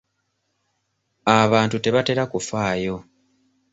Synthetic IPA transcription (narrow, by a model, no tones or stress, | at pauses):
aβaːntute̞βate̞ɾakufaːjo̞